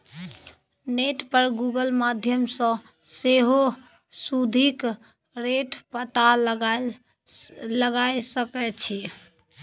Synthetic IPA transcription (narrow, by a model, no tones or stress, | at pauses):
neʈpəɾɡuɡəlmad̪ʱjəmsə̃ | seɦo | sud̪ʱik | ɾeʈpət̪al | ləɡajsəkɛt͡ʃʰi